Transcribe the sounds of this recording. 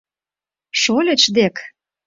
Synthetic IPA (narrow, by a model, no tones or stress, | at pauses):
ʃolʲĕt͡ɕd̪ek